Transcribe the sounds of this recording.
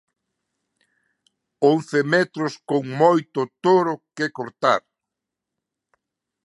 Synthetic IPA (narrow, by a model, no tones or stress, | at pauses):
õnθɪmɛt̪ɾʊskoŋmojt̪ʊt̪oɾʊkekoɾt̪a̰ɾ